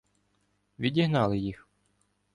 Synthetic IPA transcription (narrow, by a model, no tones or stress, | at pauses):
ʋʲidʲiɦnɑlˠɪjix